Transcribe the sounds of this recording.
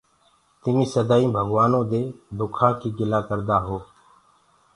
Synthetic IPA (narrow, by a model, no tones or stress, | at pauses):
t̪ɪmĩːsəd̪aːĩːbʱəɡʋaːnõːd̪eːd̪ʊkʰãːkiːɡɪlaːkəɾd̪aːɦoː